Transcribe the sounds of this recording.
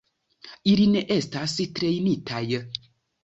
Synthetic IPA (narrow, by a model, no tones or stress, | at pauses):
ilineʔestastɾejnitʰaj